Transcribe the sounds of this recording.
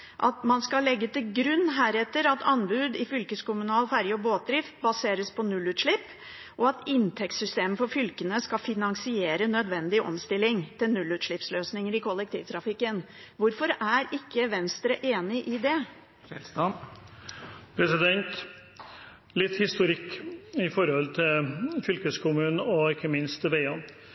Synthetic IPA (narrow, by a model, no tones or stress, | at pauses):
ʔɑ̰t̪mɑnskɑlɛɡːət̪ɪlɡɾʉnːɦæːɾɛt̪ːəɾɑt̪ʰɑnbʉːd̪ɪfʏlkəskʊmʉnɑːlfæɾjɔboːt̪̚d̪ɾɪft̪bɑseːɾəspʰɔnʉlːʉːt̪ʂɭɪpː | ʔɔɑt̪ɪnt̪ʰɛktsʏst̪eːməfɔɾfʏlkənəskɑfɪnɑŋsɪeːɾənœd̪ʋɛnd̪ɪʔɔ̰mst̪ɪlːɪŋt̪ʰɪlnʉlːʉːt̪ʂɭɪpsløːsnɪŋəɾɪkʰɔlːɛk̚t̪ʰḭːʋt̪ʰɾɑfɪkːən | ʋʊɾfɔɾæɾɪkːəʋɛnst̪ɾəʔeːnɪʔɪd̪ɛ | pʰɾɛsɪd̪ɛnt̪ | lɪt̪ːhɪst̪ʊɾɪkːɪfɔɾhɔlt̪ʰɪlfʏlkəskʰʊmʉːn̩ɔɪkːəmɪnst̪ʰːɪʋeɪən